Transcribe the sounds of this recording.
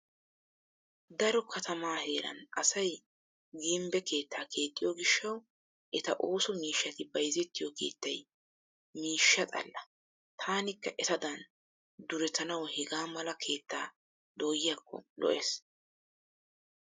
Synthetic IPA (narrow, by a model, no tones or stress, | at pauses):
d̪ɐɾɔkʰɐt̪ɐmaːhe̞ːɾɐ̰nɐsɐj | ɡiɪmbɛke̞ːt̪ːaːkʰe̞ːt̪ʼːɪjoːɡɪʃːɐw | ʔɛt̪ɐ̰ʔo̞ːsɔmiːʃːɐt̪ɪbɐjzɛt̪ːɪjoke̞̰ːt̪ːɐj | miːʃːɐt̪ʼɐ̰lːɐ | t̪ʰaːnɪkːɐʔɛt̪ɐd̪ɐn | d̪ʊɾɛt̪ɐnɐwhɛɡaːmɐlɐkʰe̞ːt̪ːaː | d̪oːjɪjaːkːɔ̰lɔ̰ʔeːs